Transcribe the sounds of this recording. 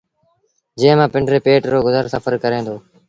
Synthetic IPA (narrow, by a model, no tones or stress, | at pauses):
d͡ʒẽːmãːpɪɳɖɾeːpeːʈːoːɡʊzəɾsəfəɾkəɾẽːnd̪oː